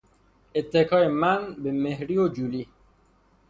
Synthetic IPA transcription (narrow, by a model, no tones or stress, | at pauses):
et̪ʰːekʰɒːemænbemehɾiːod͡ʒuli